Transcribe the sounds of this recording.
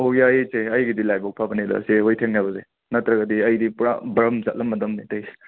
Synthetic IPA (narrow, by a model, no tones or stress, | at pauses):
ojaet͡ʃeɐjɡidilajbɔk̚pʰabɐnedɐ̰seɦojtʰeŋnabɐze | nɐtɾɐɡɐdiɐjdipuɾa̰bɾɐmza̰t̚lɐmːɐdɐmnitɐj